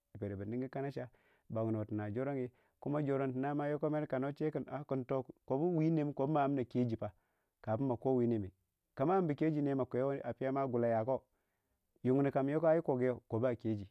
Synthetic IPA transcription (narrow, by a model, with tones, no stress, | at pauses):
pe˨ɾe˨bi˨ni˦ŋ˦ɡi˦ka˦na˦ʃa˦ | ba˨ŋ˨no˨ti˨na˨d͡ʒo˦ɾo˦ŋi˦ | ku˦ma˦d͡ʒo˨ɾo˦nti˨na˦ma˦jo˦ko˦me˦ɾka˨no˦t͡ʃe˦ki˨na̰˨˦ku˨nto˦kko˨bu˦wi˦ne˦m˦ko˨bma˨˦a˦m˦na˨ke˦d͡ʒi˨pa˨ | ka˨pu˦mːa˨ko˦wi˦ne˨mi˨ | ka˨ma˦mbi˨ke˦d͡ʒi˨ne˨˦ma˨ko˨jo˦a˨pi˦ja˦ma˦ɡu˨la˨ja˨ko˦ | ju˨ŋ˨ni˨ka˨m˦jo˦ko˦a˦ji˦ko˨ɡe˦o˨ko˨ba˦˨ke˦d͡ʒi˨